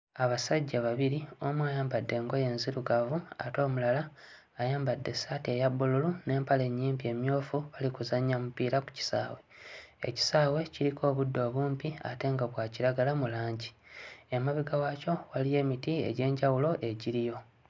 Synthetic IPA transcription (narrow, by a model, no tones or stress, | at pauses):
aβasaɟːaβaβiɾio̞mwaːjaːmbadːe̞ːŋɡo̞je̞ːnziɾuɡavua̰to̞ːmulalaː | jaːmbadːe̞saːte̞jabːululune̞ːmpale̞ɲːiːmpie̞ːmjo̞ːfuβalikuzaɲːamupiɾaku̥ci̥sa̰ːwe̞ḛci̥saːwe̞ciɾikʰo̞ːβudːo̞ːβuːmpia̰te̞ːŋɡaβwaciɾaɡalamulaːɲɟiemaβiɡawaco̞walije̞ːmitiḛɟe̞ːɲɟawulo̞ʔe̞ɟiɾijo̞